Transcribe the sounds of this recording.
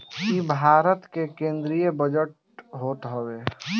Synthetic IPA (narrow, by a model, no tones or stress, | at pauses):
kkibʱaːɾət̪kekẽːnd̪ɾijebəd͡ʒəʈ̚ | ɦoːt̪ɦəwe